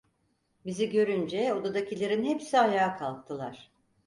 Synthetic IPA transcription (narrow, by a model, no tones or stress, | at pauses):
biziɟø̞ɾynd͡ʒɛo̞d̪ad̪acʰilʲeɾinɦɛpsiajaːkʰalˠk̚t̪ʰɯlˠaɾ̥